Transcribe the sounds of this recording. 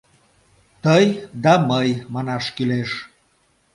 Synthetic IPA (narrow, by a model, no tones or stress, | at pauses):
t̪əjd̪ɑməjmɑnɑʃkyleʃ